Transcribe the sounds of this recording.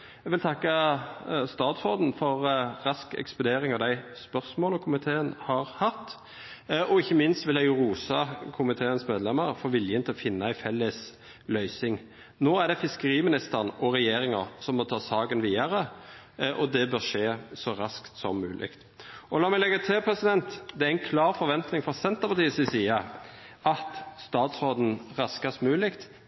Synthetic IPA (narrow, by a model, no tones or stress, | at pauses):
ɛɡʋɪlt̪ʰɑkːɑ | st̪ɑːt̪sfɔːd̪n̩fɔɾɾɑskɛ̰kspʊd̪eːɾɪŋɑʋd̪æɪspœʁsmoːlɔkʰʊmɪt̪ʰeːənhɑɾhɑt̪ː | ʔɔɪçːəmɪnst̪ʋɪlæɪɾuːsɑkʰʊmɪt̪ʰeːənsmeːd̪lɛməʁfɔɾʋɪljənt̪ɪlɔfɪnːɑæɪfɛlːəs | lœʏsɪŋ | noːæʁɖ̪ɛfɪskəɾiːmɪnɪst̪əʁnɔɾɛjeːɾɪŋɑʁsɔmmɔt̪ʰɑːsɑːɡənʋiːɑɾə | ʔɔd̪ɛbœːʁʂeːsɔɾɑskt̪sɔ̰mːʉːlʔɪ̰kt̪ | ʔɔlɑːmɛɪlɛɡːɑt̪ʰɪlpʰʁɛsɪd̪ɛnt̪d̪ɛæɪnkʰlɑːɾfɔɾʋɛnt̪nɪŋfɔsɛnt̪əpʰɑt̪iːəsɪsiːɑɑt̪st̪ɑːt̪sʁoːd̪n̩ʁɑskɑsmʉːlɪkt̪